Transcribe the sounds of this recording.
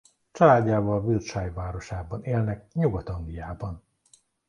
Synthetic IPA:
t͡ʃɒlaːɟːaːvɒlvilʃaːjvaːɾo̞ʃaːbɒneːlnɛk̚ɲuɡɒt̪ɒŋɡlijaːbɒn

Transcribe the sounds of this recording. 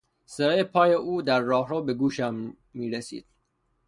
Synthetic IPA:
seɾːjepʰɒːjeʔuːd̪æɾːɒːɦɾoːbe̞ɡuːʃæmː | iːɾesḭːd̪̥

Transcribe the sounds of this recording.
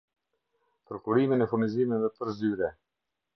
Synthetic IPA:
pəɾkuɾiminɛfuɾniziminðɛpəɾzyɾɛ

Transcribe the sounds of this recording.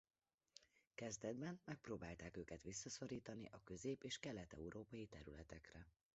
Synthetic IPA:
kɛzd̪ɛd̪bɛnmɛk̚proːbaːlt̪aːkøːkɛt̪ʋisːɒso̞ɾiːt̪ɒnḭʔɒkø̞zeːpeːʃkɛlːɛt̪ɛ̰uɾoːpɒjit̪ɛɾylɛt̪ɛkrɛ

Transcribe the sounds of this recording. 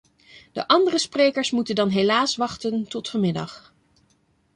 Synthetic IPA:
d̥ə̰ʔɑndərəsprejkəɹsmutəndɑnɦelaːsʋɑχtəntɔtfɔmɪdɑ̰χ

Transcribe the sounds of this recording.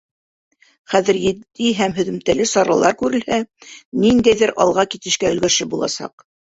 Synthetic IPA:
χæðɘ̆ɾjɘ̆d̪iɦæmɦɵ̆ðɘ̆mt̪ælɘsɑɾɑlˠɑɾkʉɾɘ̆lhænind̪æjðɘɾʔɑ̰lˠʁɑkit̪ɘ̆ʃkæɵ̆lɡæʃɘbulˠɑ̰sɑ̰q

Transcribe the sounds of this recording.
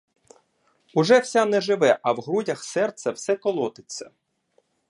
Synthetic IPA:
ʊʒɛwsʲanɛʒɪʋɛʔɐwɦɾudʲɐxsɛrt̪sʲɐwsɛkɔlˠɔt̪ɪt͡sʲːɐ̰

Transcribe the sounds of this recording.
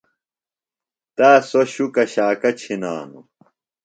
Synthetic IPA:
t̪aːsoɕukɐɕaːkɐt͡ɕʰinaːnṵ

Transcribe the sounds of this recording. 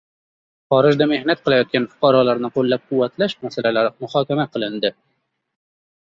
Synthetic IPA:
χɒːɾɪʒd̪ame̞hnat̪̚qʰɨlˠajɒt̪̚kʲanfʊ̥qʰɑɾɒlaɾnɪqʰolːap̚qʰʊwːat̪laʃmasalalaɾmʊχɑːkʲamaqʰɨlˠɪnd̪ɪ

